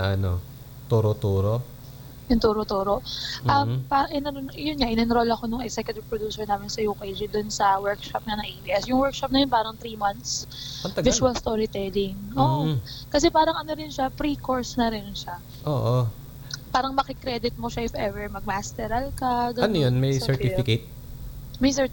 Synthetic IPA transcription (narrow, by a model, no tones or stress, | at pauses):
ʔɐno̰ | t̪uɾot̪uːɾo | jʊŋt̪uːɾot̪uːɾoʔʔɐmpaʔɪnɐnonjʊnŋaʔɪnɐnɾolɐko̞nʊŋɛɡsɛkjʊt̪ɪvpɾod̪uːsɛɹnaːmɪnsɐjuːkejd͡ʒɪd̪ʊnsɐwɛɹkʃap̚nɐnɐŋʔepiʔɛsjʊŋwɛɹkʃap̚nɐjonpaːɾɐŋt̪ɾiːmɐnt̪sɐt̪ɐɡvɪʃuwɐlst̪oːɾɪt̪ɛd̪ɪŋʔoʔkɐs̬ɛpaːɾɐŋʔɐnoɾɪnʃapɾiːkoɹsnɐɾɪnʃa | ʔoːʔo | paːɾɐŋmɐkɪkɾɛd̪ɪt̪̚moʃaʔɪfɛvɛɹmɐɡ̚mast̪ɛɾɐlkɐɡɐɐnojonmɐjsɛɹt̪ifɪket̪̚ | mɐjsɛɹt̪